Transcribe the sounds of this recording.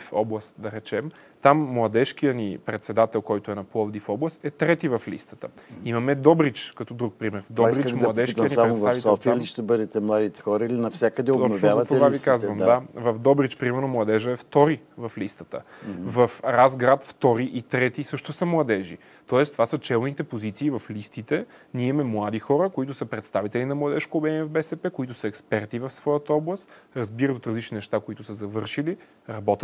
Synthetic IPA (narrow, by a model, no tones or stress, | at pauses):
fɔ̰blˠɐst̪d̪ɐɾɛt͡ʃɛm | t̪amːlˠɐd̪ɛʃk̟ijənipɾɛt̪sɛd̪at̪ɛlˠkɔjt̪oʊɛnɐplˠɔvd̪ifɔblˠɐst̪ɛt̪ɾɛt̪ivɐflḭst̪ə̥t̪əimɐmɛd̪ɔbɾit͡ʃkɐt̪ɔd̪ɾuk̚pɾimɛɾvd̪ɔbɾit͡ʃmlˠɐd̪ɛʃkijɐnisaɾɛt̪avitsɛɔfiʃt̪ɛbɤd̪ɛt̪ɛmlˠad̪it̪ɛ̥xɔɾəilinɐfsʲjakəd̪ɛoɔnvj̪azvɐt̪ovavikazvəmd̪d̪avɐvd̪ɔbɾit͡ʃpɾimɛɾnomlˠɐd̪ɛʒəɛft̪ɔɾivɐflist̪ə̥t̪əvɐfɾazɡɾat̪ft̪ɔɾiʔit̪ɾɛt̪isɤʃt̪ʊsəmlˠɐd̪ɛʒḭ | t̪ɔɛst̪ovasət͡ʃɛlˠnit̪ɛpozit̪siːvɐflist̪it̪ɛnʲiɛmɛmlˠad̪ixɔɾəkoit̪ʊsəpɾɛt̪st̪avit̪ɛlinɐmlˠɐd̪ɛʃkʊːbɛɛniɛvbɛsɛpɛkoit̪ʊsəɛkspɛɾt̪ivɐfsv̥ɔjət̪əɔblˠəst̪ɾɐzbiɾət̪ot̪ɾɐzlit͡ʃninɛʃt̪akoit̪ʊsəzɐvɤɾʃili | ɾɐbɔt̪ət̪